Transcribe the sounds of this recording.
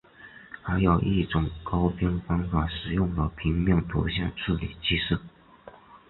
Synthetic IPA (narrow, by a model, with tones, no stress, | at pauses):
xa˧˥ɪjɑ˨˩ʊʔi˥˩ʈ͡ʂʊ˨˩˦ŋkɑ˥ʊpʰjɛ˥nfɑ˥ŋfa˨˩ʂɻ̩˨˩jʊ˥˩ŋd̪ə˩pʰi˧˥ŋmjɑ˥˩ŋt̪ʰṵ˧˥ɕjɑ̰˥˧ŋʈ͡ʂ̩ʰ˥˩lḭ˨˩t͡ɕi˥ʂɻ̩˥˩